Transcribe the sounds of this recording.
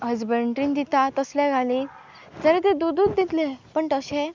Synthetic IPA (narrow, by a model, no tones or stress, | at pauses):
əd͡zbəɳʈɾĩnd̪it̪at̪əsljaɡʱali | d͡zəɾet̪ed̪ud̪uːd̪d̪it̪lepəɳʈ̪əɕẽ